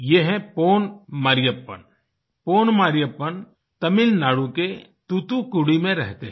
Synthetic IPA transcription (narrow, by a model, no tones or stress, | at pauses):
jeɦɛ̃poːnmaːɾɪjəpːə̰n | poːnmaːɾɪjəpːən | t̪ɐmɪlnaːɽuket̪ut̪ukʊɽimẽɾɛɦt̪eɦ